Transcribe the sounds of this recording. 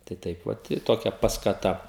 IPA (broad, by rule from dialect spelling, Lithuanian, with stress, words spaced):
tɐɪ ˈtɐɪp ʋɐt ɪ ˈtoːkʲɛ pɐskɐˈtɐ